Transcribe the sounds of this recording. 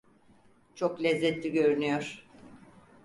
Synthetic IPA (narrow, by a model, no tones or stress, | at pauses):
t͡ʃʰo̞klʲɛzːɛt̪lʲiɟø̞ɾynyjoɾ̥